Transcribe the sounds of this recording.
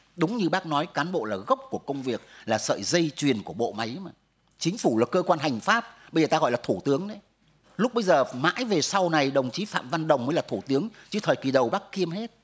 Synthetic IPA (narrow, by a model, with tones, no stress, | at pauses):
ɗʊ˨˦ŋ͡mɲɨ˧ɓaː˦˥k̚nɔ˨˦jkaː˨˦nɓo̰˧˨laː˨˩ɣə˦˥wk͡p̚ku˧˩əkə˧wŋ͡mvi˨˩ək̚laː˨˩sə̰ː˧˨jzə˧jt͡ɕwi˨˩ənku˧˩əɓo̰˧˨ma˨˦jmaː˧˨˩ | t͡ɕï˨˦ŋ̟fu˧˩laː˨˩kəː˧kwaː˧nha˨˩jŋ̟faː˦˥p̚ɓə˧zəː˨˩t̪aː˧ɣɔ̰˧˨jlaː˨˩t̪ʰu˧˩t̪ɨ˨˦əŋɗe˨˦ | lʊ˦˥k͡p̚ɓə˧jzəː˨˩ma̰ː˧˥jve˨˩sa˧wna˨˩jɗə˨˩wŋ͡mt͡ɕi˨˦fa̰ː˧˨mva˧nɗə̰˨˩wŋ͡mməː˨˦jlaː˨˩t̪ʰu˧˩t̪ɨ˨˦əŋt͡ɕɨ˨˦t̪ʰəː˨˩jkwi˨˩ɗə˨˩wɓaː˦˥kːi˧əmhe˦˥t̚